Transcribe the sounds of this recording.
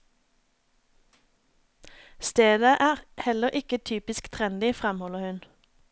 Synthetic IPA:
st̪eːd̪əʔæːʁhɛləʁʔɪkət̪ʰyːpɪskt̪ʰʁɛnd̪ɪfʁɛmhɔləʁhʉn

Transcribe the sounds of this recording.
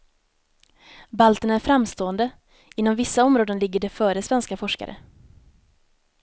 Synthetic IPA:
balt̪ənæɾfɾamːst̪oːənd̪ə | ɪnːɔmvɪsːaɔmɾoːd̪ənlɪɡːəɖɛfœːɾəsvɛnskafɔʂka̰ɾʔə̰

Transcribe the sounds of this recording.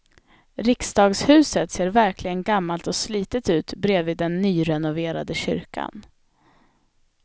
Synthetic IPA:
ɾɪksd̪ɑːɡshʉ̟ːsət̪seːɾvæɾklɪɡənɡamːalt̪ɔsliːt̪ət̪ʉ̟ːt̪bɾeːvɪːd̪ːɛnːyːɾɛnʊveːɾa̰d̪əɕʏ̰ɾka̰n

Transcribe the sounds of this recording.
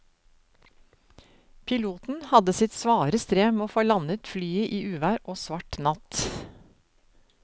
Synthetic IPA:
pʰɪluːt̪n̩hɑd̪əsɪt̪sʋɑːɾəst̪ɾeːmeːoːfoːlɑnət̪flyːəʔiːʔʉːʋæːɾʔoːsʋɑʈnɑt̪

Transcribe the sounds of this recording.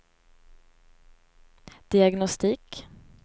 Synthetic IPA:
d̪̥ɪaɡnɔst̪iːk

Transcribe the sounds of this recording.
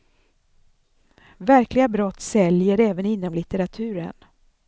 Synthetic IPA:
væɾklɪɡabɾɔt̪ːsɛljəɾɛːvənɪnːɔmlɪt̪əɾat̪ʰʉ̟ːɾə̰n

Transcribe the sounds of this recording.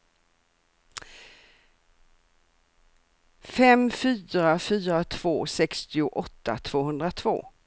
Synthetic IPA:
fɛmfyːɾafyːɾat̪ʰv̥oːsɛkst̪ɪʊʔɔt̪ːa̰t̪ʰv̥oːhɵnd̪ɾat̪ʰv̥o̰ː

